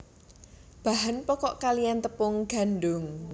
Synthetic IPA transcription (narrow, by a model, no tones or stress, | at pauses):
b̥aɦanpɔkɔʔkalijant̪əpʊŋɡ̥a̤nɖʊŋ